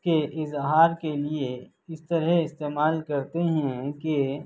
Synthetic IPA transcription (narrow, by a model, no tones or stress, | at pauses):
keʔɪzɦaːɾkelie | ɪst̪ɐɾɛɪst̪eːmaːlkɐɾt̪eɦɛ̃ke